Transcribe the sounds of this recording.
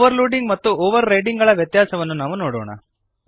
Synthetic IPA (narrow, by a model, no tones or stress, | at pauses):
ʋɐɾluːɖiŋɡmɐt̪ːuoːʋɐɾːɐjɖiŋɡɐɭɐʋjɐt̪jaːsɐʋɐnːunaːʋunoːɽo̰ːɳɐ̰